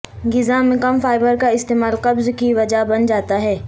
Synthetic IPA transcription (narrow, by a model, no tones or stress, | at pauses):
ɡɪzamẽkəmfaːɪbəɾkaɪst̪eːmaːlqɐbzkiʋɐd͡ʒabɐnd͡ʒaːt̪aɦɛː